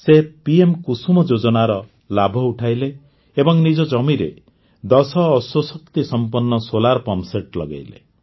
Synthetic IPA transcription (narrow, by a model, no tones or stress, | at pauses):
sepiemkusumɔd͡ʒod͡ʒɔnaɾɔ | labʱɔuʈʰajleː | bɔŋnid͡ʒɔd͡ʒɔmiɾḛ | d̪ɔsɔːswɔsɔkt̪isɔmpɔnːɔsolaɾpɔmseʈlɔ̰ɡa̰jlḛ